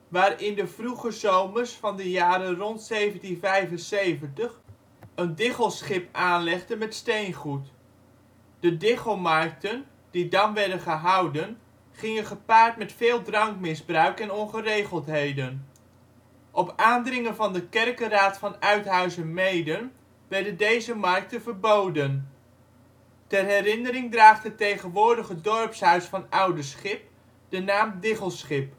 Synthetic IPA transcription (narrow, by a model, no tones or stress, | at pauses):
ʋaːrɪndəvruχəzowmərsfɑndəjaːɾərɔntsejvəntinvɛjvənsejvəntəχ | əndɪχəlˠsχɪpaːnlɛχdənmɛtstejnχut | d̥ədɪχomɑrk̚tən | d̥idɑnʋɛɹdənχəɦɑwdən | χɪŋənχəpaːɹtmɛtfɪːlˠdrɑŋkmɪzbrœɥkɛnɔnχərejχəlˠtɦejdən | ʔɔpaːndrɪŋənvɑndəkɛrkəraːtfɑnœɥtɦœɥzənmejdən | ʋɛɹdəndejzəmɑɹk̚tənvəɹbowdən | tɛrɦɛrɪnəɾɪŋdraːχdətejχənʋʊːɹdəχədɔɹpsœɥsfɑnʌwdəsχɪp̚ | d̥ənaːmdɪχəlˠsχɪp̚